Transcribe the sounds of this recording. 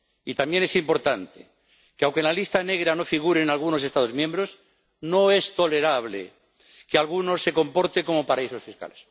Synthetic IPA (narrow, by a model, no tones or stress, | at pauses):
it̪amje̞nesimpo̞ɾt̪ant̪ʰe | keawŋkenlalist̪ane̞ɣ̞ɾano̞fiɣ̞uɾeːnalɣ̞uno̞s̬e̞st̪aðo̞zmjẽmbɾo̞s | no̞est̪o̞le̞ɾaβ̞lḛ | kealɣuno̞sːe̞ko̞mpo̞ɾt̪eko̞mo̞paɾaiso̞sfiska̰les